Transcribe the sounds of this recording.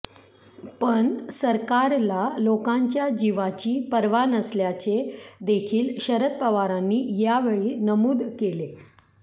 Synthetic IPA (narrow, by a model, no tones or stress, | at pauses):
pəɳsəɾkaɾlalokãɲt͡ɕjad͡ʑiʋat͡ɕiːpəɾʋanəsljat͡sed̪ekʰiːlɕəɾət̪̚pəʋaɾanːiːjaʋeɭiːnəmuːd̪kele